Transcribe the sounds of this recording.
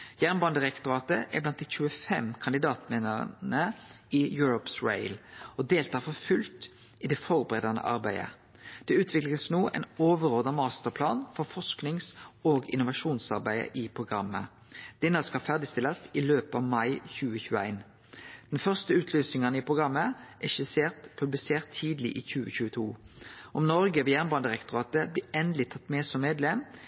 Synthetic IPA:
jæːʁnbɑːnd̪əʁɛkt̪ʊʁɑːt̪əʔæ̰blɑnt̪̚d̪æɪçʉːəfɛmkʰɑnd̪ɪd̪ɑːt̪meːnəʁ̰nəɪjʉːɾɔpsɹḛɪlɔd̪eːlt̪ɑːʁfɔfʉlt̪ | ɪd̪ɛfɔʁbəʁɛd̪ɑnə̰ʔɑʁbæɪə̰ | d̪̥ɛʉːt̪ʰʋɪkləsnuːʔæ̰ɪnoːʋəʁoːd̪ɑmɑːst̪əʁpʰlɑːnfɔʁfɔʂknɪŋsoːɡɪ̰nʊʋɑʃuːnsɑ̰ʁbæɪə̰ʔɪpʰʁʊɡʁɑmːə̰ | d̪̥ɛnːɑskɑfæʁd̪ɪst̪ɪlɑsiløːpəɑ̰ːʋmɑɪçʉːəçʉːəæ̰ɪn | d̪̥ɛnfœʁst̪əʉːt̪ʰlyːsnɪŋənipʰʁʊɡʁɑmːəʔæʃɪseːʁt̪pʰʉblɪseːʁt̪ʰːiːd̪lɪ̰ʔiːçʉːəçʉːət̪ʰuː | ʔɔmnɔɾɡəʋɛjæːʁnbɑnd̪əʁɛkt̪ʊʁɑːt̪əbliːɛnd̪əlɪt̪ʰɑt̪ːmɛːsɔmːeːd̪lɛm

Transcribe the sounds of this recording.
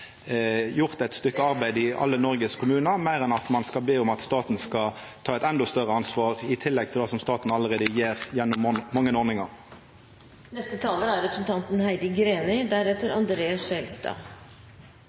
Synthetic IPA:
jʊʁt̪ɛt̪st̪ʏkːəɑʁbæɪd̪ɪɑ̰lːənɔʁɡəskʰʊmʉːnəmæɪʁɛnɑt̪mɑnskɑlbeːʊmɑt̪st̪ɑːt̪n̩skɑ | t̪ʰɑːɛt̪ɛnd̪ɔst̪œʁəɑnsʋɑːʁɪt̪ʰɪlːɛɡ̚t̪ʰɪld̪ɑːsɔmst̪ɑːt̪n̩ɑlːəʁeːd̪əjeːʁjɛnːʊmːɑŋːənɔːʁnɪŋɑʁ | nɛst̪ət̪ʰɑːləæɾɛpɾəsn̩t̪ʰɑnt̪n̩hæɪd̪ɪɡɾeːnɪd̪æɾɛt̪əɾɑ̰nd̪ɾeːɑsʃɛlst̪ɑ̰ː

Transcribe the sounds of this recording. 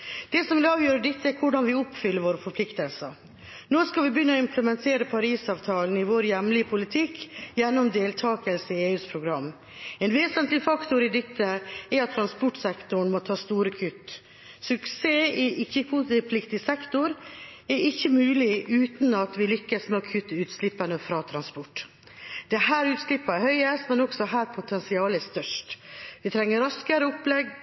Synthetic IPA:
d̪̥ɛsɔmʋɪlɑːʋjøːɾəɖ̪ɪt̪ːəɛɾkʰʊɖɑnʋɪʊpfʏlːəɾʋoːɾəfɔɾpʰlɪkt̪əlsə̰ | noːskɑʋɪbəjʏnːəɔɪmpʰləmɛnt̪ʰeːɾəpʰɑɾiːsɑːʋt̪ʰɑːln̩ɪʋoːɾjɛmlɪpʰʊlɪt̪ʰɪkːjɛnːɔmd̪eːlt̪ʰɑːkəlsəɪeːʉːspʰɾʊɡɾɑmː | ɛnʋeːsənt̪lɪfɑkt̪ʊɾɪd̪ɛt̪ʰːəɛɾɑt̪ʰːɾɑnspɔʈsɛkt̪ʊɳ̩mɔt̪ʰɑːst̪uːɾəkʰʏt̪ː | sʉkseːɪʔɪçːəkʰut̪ɪpʰlɪkt̪ɪsɛkt̪ʊɾɛɾɪçːəmʉːlɪʉːt̪nɑt̪ʋɪlʏkːəsmeɔkʰʉt̪ːəʉːt̪slɪpːənəfɾɑːt̪ʰɾɑnspɔʈː | d̪̥ɛɦæːɾʉːt̪slɪpːɑɛɾhœʏəst̪mɛnɔksɔɦæːɾpʰʊt̪ʰɛnsɪɑːləɛst̪œʂʈʋɪt̪ʰɾɛŋːəɾɑskəɾəʊplɛɡ

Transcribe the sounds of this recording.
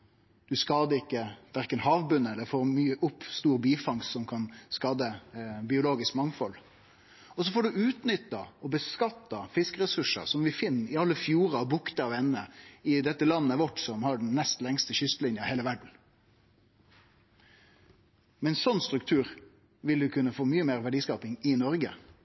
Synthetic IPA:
d̪̥ʉskɑːd̪əɪkːəʋ̪æʁkːənhɑːʋbʉnːəɛlːəɾfɔːɾmyːəʔʊpːst̪uːɾbiːfɑŋssɔmkʰɑnskɑːd̪əbɪʊloːɡɪskmɑŋfɔl | ɔsɔfɔːɖʉʔʉːt̪nʏt̪ːɑɔbəskɑt̪ːɑfɪskəɾɛsʉʂə̰sɔmʋɪfɪnːɪɑlːəfjuːɾɑɑbʊkt̪əɑʋɛnnəɪd̪ɛt̪ːəlɑnːəʋɔʈːsɔmhɑɖɛnːɛst̪lɛŋst̪əɕʏst̪əlɪnjəheːləʋæɖɳ̩ | mɛnsɔnːst̪ɾʉk̚t̪ʰʉːɾ | ʋɪld̪ʉkʰʉnːəfoːmyːəmeːɾʁʋæɖiːskɑːpɪŋɪnɔɾɡə̰

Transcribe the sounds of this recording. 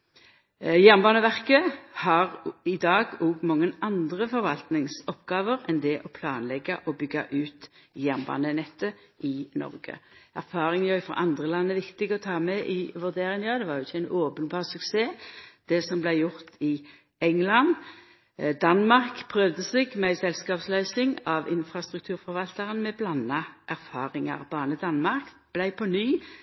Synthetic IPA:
jænbɑːnəʋæʁkəhɑʁɪd̪ɑːɡɔɡmɑŋːənɑnd̪ʁəfɔɾʋɑlt̪nɪŋsɔpɡɑːʋəɾɛnd̪ɛʔɔpʰlɑːnlɛɡɑʔɔbʏɡːɑ̰ʔʉːt̪ | jæʁnbɑ̰ːnənɛt̪ːə | ʔɪnɔ̰ʁɡə̰æʁfɑːʁɪŋjœfɑ̰ʔɑnd̪ʁəlɑnːəʋɪkt̪ɪɡəɔt̪ʰɑːmɛʔɪʋʉʁd̪eːʁɪŋnɑd̪ɛʋɑːʁjʊɪçːæɪnoːpənbɑːʁsʉkseːd̪̥ɛsɔmblæɪjʊʁt̪ɪ | ɛŋlɑn | d̪ɑnmɑʁkpʰʁœʋd̪əsɛɡmɛɪsɛlskɑːpslœʏsɪŋɑʋɪnfʁɑst̪ʁʉk̚t̪ʰʉːʁfɔʁʋɑlt̪əʁənmɛblɑnːɑʔæʁfɑːʁɪŋɑ̰ʁbɑːnəd̪ɑnmɑʁk | b̥læɪpʰɔnyː

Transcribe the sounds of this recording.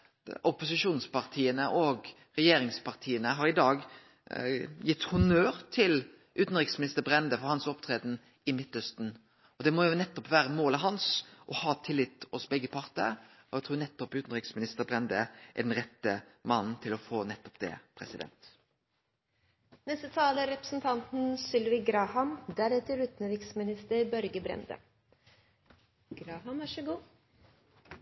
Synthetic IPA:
ɔpʊsɪʃuːnspʰɑʁt̪ʰiːənəʔɔːɡ | ʁɛjeːɾɪŋspɑʁt̪ʰiːənəɦɑɾɪd̪ɑːɡ | jɪt̪ːhʊnøːɾt̪ʰɪl | ʔʉːt̪n̩ʁɪksmɪnɪst̪əɾbɾɛnd̪əfɔɾhɑnsɔpt̪ʰʁɾeːd̪n̩ | ɪmɪt̪ːœst̪n̩ | ɔd̪ɛmɔjʊnɛt̪ːɔpʋæːɾəmoːlɑɦɑnsʔɔhɑːt̪ʰɪlːɪt̪ːɔsbɛɡːəpʰɑʁt̪ə | ɔɛt̪ʰuːnɛt̪ːɔpʉːt̪n̩ʁɪksmɪnɪst̪əɾbɾɛnd̪əʔæ̰ɖɛnʁɛt̪ːəmɑnn̩t̪ʰɪlɔfoːnɛt̪ːɔ̥pd̪ɛ̰pʰɾɛsɪd̪ɛ̰nt̪ | nɛst̪ət̪ʰɑːləɾɛpɾəsn̩t̪ʰɑnt̪n̩sʏlʋɪɡɾɑːhɑmd̪æɾɛt̪əɾɾʉt̪nəɾɪksmɪnɪst̪əɾbœɾɡəbɾɛ̰nd̪ə̰ | ɡ̥ɾɑːɦɑmʋæʂəɡuː

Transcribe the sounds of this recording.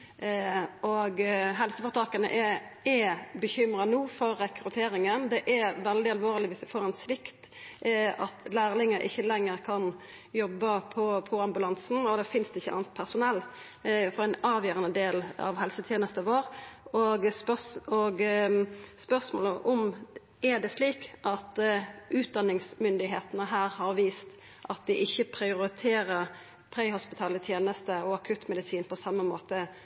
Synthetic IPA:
ɔɡɦɛlsəfɔʁt̪ʰɑːkənə̰ʔɛɛbəçʏmɾɑnuːfɔɾːɛkɾʉt̪ʰeːɾɪŋənd̪ɛʔɛʋɛld̪ɪɑlʋoːʁlɪʋɪsd̪ɛfoːʁɛnsʋɪkt̪ | ɑt̪læːʁlɪŋːəʔɪ̰çːəlɛŋːəʁkʰɑn | jɔbːəpʰɔpʰɔɑmbʉlɑnsn̩ɔd̪ɛfɪnsd̪ɛɪçəɑ̰ːnt̪̚pʰæʁsʊnɛlː | fɔɾæɪnɑːʋjøːɾənəd̪eːlɑ̰ʋhɛlsət̪ʰjeːnəst̪əɑʋoːɾoɡpœoɡ | spœɾsmo̰ːləʔʊm | ɛd̪ɛsliːkʔɑt̪ʔʉːt̪̚d̪ɑnːɪŋsmʏnd̪ɪɦeːt̪ənəɦæːɾhɑɾʋiːst̪ | ʔɑt̪̚d̪ɪʔɪçːəpʰɾɪʊɾɪt̪ʰeːɾəɾ | pʰɾeɪhʊspɪt̪ʰɑːlət̪ʰjeːnəst̪əɔɑkʰʉt̪mɛd̪ɪsiːnpʰɔsɑmːəmoːt̪ə

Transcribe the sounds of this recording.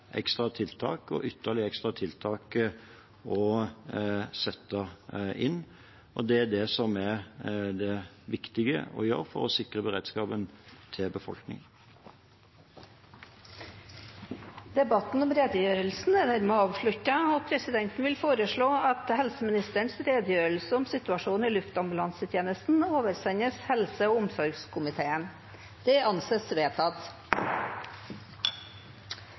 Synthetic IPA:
ʔɛ̰kst̪ʁɑt̪ʰɪlt̪ʰɑ̰ːkɔ̰ʔʏt̪ːəlɪəɛkst̪ʁɑt̪ʰɪlt̪ʰɑːk | ɔ | sɛt̪ːəʔɪnː | ʔɔd̪ɛæd̪ɛsɔmæɾd̪ɛ | ʋɪkt̪ɪɡə̰ɔ̰jø̰ːɾfɔ̰ɾɔsɪkʁəbəʁḛːd̪skɑːbənt̪ʰɪlbəfɔ̰lknɪ̰ŋən | d̪̥ɛbɑt̪n̩ɔmɾeːd̪əjøːɾəlsn̩æd̪æɾmɛɑːʋfɭʉt̪ɑoːpʰɾɛsɪd̪ɛnt̪n̩ʋɪlfoːɾəʂɭoːɑt̪hɛlsəmɪnɪst̪əɳsɾeːd̪əjøːɾəl̩səɔmsɪt̪ʉɑʂuːnɪlʉft̪ɑmbʉlɑnsət̪ʰjeːnəst̪n̩oːʋəɾsɛɲəshɛlsəoːʊmsɔɾɡskʰʊmɪt̪ʰeːən | d̪̥ɛʔɑnseːsʋeːt̪ʰɑt̪

